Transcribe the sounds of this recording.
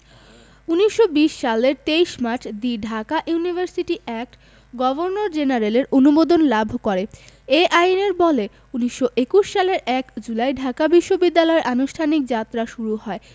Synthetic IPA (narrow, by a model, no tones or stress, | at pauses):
uniʃːobiʃʃaleɾt̪eiʃmaɾt͡ɕʰd̪iɖʱakaʔjunibʱaɾsiʈiʔɛk̚ʈ | ɡɔboɾnoɾd͡ʑenaɾeleɾʔonubod̪onlabʱkoɾeeʔajneɾbɔle | uniʃːoʔekuʃːaleɾɛkd͡ʑulajɖʱakabiʃːobid̪ːalɔeɾʔanuʃʈʰanik̚d͡ʑat̪ːɾaʃuɾuɦɔe